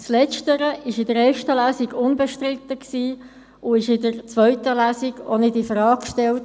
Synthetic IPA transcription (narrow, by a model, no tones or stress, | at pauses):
slɛt͡ʃtəɾəʔɪʃɪdəɾɛːʃtəlæːsiɡʊnbɛʃtɾɪt̪əksiː | ʊɪʃɪdəɾt͡sʋœʏtəlæːsiɡonɪdifrɑːkʃtɛlt